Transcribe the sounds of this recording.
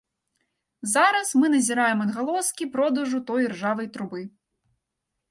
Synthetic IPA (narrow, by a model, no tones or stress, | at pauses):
zaɾɐsmɨnɐzʲiɾajɛmɐd̪ɣalˠɔskʲipɾɔd̪ɐʐut̪ɔjrʐavɐjt̪ɾubɨ